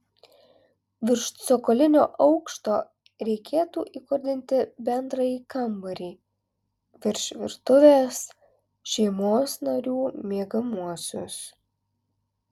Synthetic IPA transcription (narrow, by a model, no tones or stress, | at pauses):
ʋʲɪɾʃt̪sokolʲɪnʲoːʔɒʊkʃt̪oː | ɾʲɛɪkʲʰeːt̪uːʔiːkʊɾʲd̪ʲɪnʲt̪ʲɪbʲɛnd̪ɾɐjiːkɐmbɐɾʲiː | ʋʲɪɾʲʃʲʋʲɪ̰ɾt̪ʊʋʲeːs | ʃʲɛɪmoːsnɐɾʲuːmʲeːɡɐmuɔsʲʊ̰s